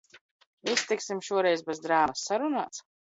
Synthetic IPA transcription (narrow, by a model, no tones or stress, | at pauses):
ist̪iksimʃuɔɾɛjzbɛzd̪ɾaːmasːaɾuna̰ːt̪s